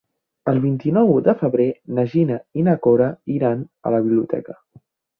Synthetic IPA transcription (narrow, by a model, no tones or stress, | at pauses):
əlˠβint̪inɔwd̪əfəβɾenəʒinəinəkoɾəiɾanə̰ləβiβliut̪ɛ̰kə